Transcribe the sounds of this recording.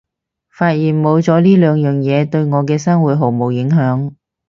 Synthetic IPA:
faː˧t̚jiː˨˩nmo˨˧wt͡sɔː˨˥liː˥lœː˨˧ŋjœː˨ŋjɛː˨˧t̪ɵ˧ɥŋɔː˨˧k̬ɛː˧sɐ˥ŋwuː˨˥t̚ɦo˨˩mo˨˩wjɪ˨˥ŋɦœː˨˥ŋ

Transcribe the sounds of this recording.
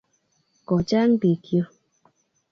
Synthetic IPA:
kɔ˨t͡ʃa˦ŋ˦bi˨kjo˦

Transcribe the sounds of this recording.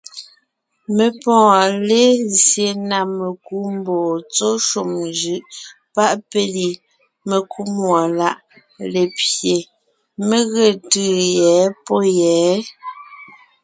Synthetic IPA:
me˨pɔ̃ː˦˨le˦zje˨na˨me˨ku˨˦m˦bɔː˨t͡so˦ʃu˨md͡ʒɯ˦ʔ | pa˦ʔpe˦li˨ | me˨ku˦mwɔ˨la˦ʔ | le˨pje˨ | me˦ɣe˨tɯː˦˨jɛː˨˦pɔ˦jɛː˨˦

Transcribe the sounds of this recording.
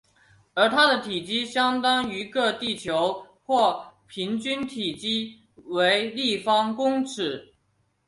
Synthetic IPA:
ə˞˧˥t̪ʰa˥d̪ə˨t̪ʰi˨˩t͡ɕi˥ɕjɑ˥ŋt̪ɑ˥ŋy˧˥kɤ˥˧t̪i˥˩t͡ɕʰjo˧˥ʊ | xwɔ˥˩pʰi˧˥ŋt͡ɕy˥nt̪ʰi˨˩t͡ɕi˥ | we˧˥ɪli˥˩fɑ˥ŋkʊ˥ŋʈ͡ʂʰɻ̩˨˩˦

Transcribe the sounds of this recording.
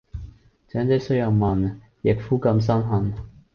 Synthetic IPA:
t͡sɛː˨˥nt͡sɛ˨˥sɵ˥ɥjɐ˨wmɐ˨˩n | jɪ˨k̚fuː˥kɐ˧ms̬ɐ˥nɦɐ˧˩n

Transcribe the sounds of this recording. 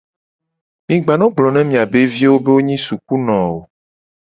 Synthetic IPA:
mĩ˨ɡ͡ba˨nɔ̃˦ɡ͡blɔ˨nɛ̃˦mĩ˨a˨be˦vi˦wo˦be˦wo˦ɲĩ˦su˨ku˦nɔ̃˨wo˨

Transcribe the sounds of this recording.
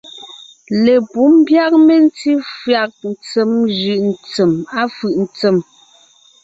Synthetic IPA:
le˨pu˨˦m˦bja˦k̚me˦n̩˦t͡si˦fɰa˨k̚n̩˨t͡se˨˦mʒɯ˨ʔn̩˨t͡sə˨ma˦fʉ˨ʔn̩˨t͡se˨m

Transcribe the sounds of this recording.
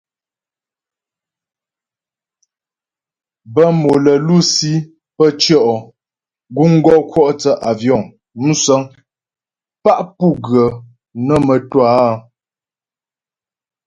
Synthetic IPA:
bə˦mo˨lə˨lu˦˨si˦ | pə˦t͡ʃjɔ˦˨ʔɔ˨ | ɡu˦ŋ̩˦ɡɔ˦kʰwɔ˦ʔtə˨ʔa˨vjɔ˦˨ŋ | m̩˦sə˦ŋ | pa˦˨ʔpu˦˨ɡɰə˨ | nə˦˨mə˨twa˦

